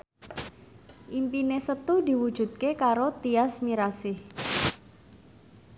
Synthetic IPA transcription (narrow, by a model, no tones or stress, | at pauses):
ʔimpinesət̪udi̤wud̥ʒ̥ṳt̪̚kekaɾot̪iasmiɾasɪh